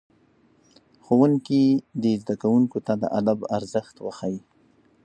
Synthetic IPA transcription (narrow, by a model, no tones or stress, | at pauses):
xowuŋkid̪ezd̪akawuŋkot̪ad̪ə̰ʔad̪abaɾzəxt̪wəxawi